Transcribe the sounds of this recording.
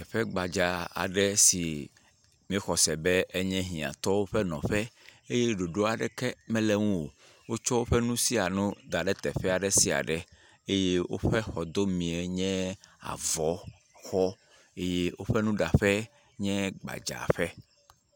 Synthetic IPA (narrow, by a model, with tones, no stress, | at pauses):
t̪ɛ˨ɸɛ˦ɡ͡ba˨d͡ʒa˨a̰˨ɖɛ˦si˨ | mĩ˦xɔ˨sɛ˨bɛ˦ʔe˦ɲɛ̃˦ɦĩ˨a̰˨t̪ɔ˦wo˦ɸɛ˦nɔ̰̃˨ɸɛ˦e˦je˦ɖo˨ɖo˦a˨ɖɛ˨kɛ˦mɛ̃˦lɛ˦ŋũ˦wo̰˨ | wo˦t͡ʃɔ˦wo˦ɸɛ˦nũ˦si˦a˨nũ˦d̪a˨ɖɛ˦t̪ɛ˨ɸɛ˦a˨ɖɛ˦si˦a̰˨ɖɛ˦ | e˦je˦wo̰˦ɸɛ˦xɔ˨d̪o˦mĩ˨ɛ˨ɲɛ̃˦a̰˨vɔ˨˦ | xɔ˦ | e˦je˦wʔo˦ɸɛ˦nũ˦ɖa˨ɸɛ˦ | ɲɛ̃˦ɡ͡ba̰˨d͡ʒa̰˨ɸɛ˦